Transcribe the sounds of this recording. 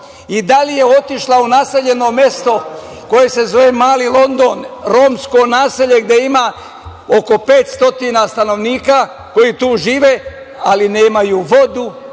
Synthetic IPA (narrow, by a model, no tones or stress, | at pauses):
id̪alije̞o̞t̪iʃlaunaːse̞ʎe̞no̞me̞st̪o̞ | ko̞je̞se̞zo̞ʋemaːlilˠo̞nd̪o̞ːnɾomsko̞naːseʎe̞ɡd̪e̞imaː | o̞ko̞pe̞ːt̪st̪o̞t̪inast̪ano̞ʋniːka | ko̞jit̪uːʒiːʋe̞ | alineːmajuːʋo̞d̪u